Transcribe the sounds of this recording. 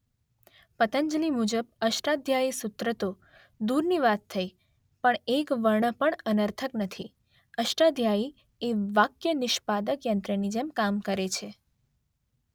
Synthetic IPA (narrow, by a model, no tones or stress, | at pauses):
pət̪əɲd͡ʒlimud͡ʒəb̚əʃʈad̪ʱjaisʊt̪ɾət̪o | d̪uɾniʋat̪ʰːəj | pəɳekʋəɾɳəpəɳənəɾt̪ʰəknət̪ʰi | əʃʈad̪ʱjai | eʋakjənɪʃpad̪əkjənt̪ɾənid͡ʒemkamkəɾet͡ʃʰe